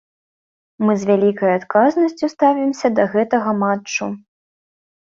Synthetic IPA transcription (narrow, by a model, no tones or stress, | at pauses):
mɨzʲvʲalʲikɐjat̪kaznɐsʲt͡sʲust̪avʲimsʲɐd̪ɐɣɛt̪ɐɣɐmat͡ʂːu